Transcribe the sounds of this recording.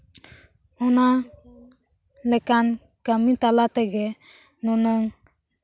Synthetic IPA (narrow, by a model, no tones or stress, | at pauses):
ɔna | lɛkan | kamit̪alat̪ɛɡɛ | nɔnɔŋ